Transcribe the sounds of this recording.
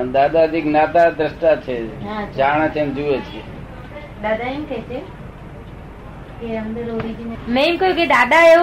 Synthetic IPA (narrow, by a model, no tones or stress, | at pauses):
d̪ad̪ad̪ʱiknat̪ad̪ɾəʃʈat͡ʃʰeɦat͡ʃaɽ̃at͡ʃʰend͡ʒuet͡ʃʰe | d̪ad̪aemkʰet͡ʃʰe | keənd̪əɾoɾid͡ʒinemẽimkəjũked̪ad̪ae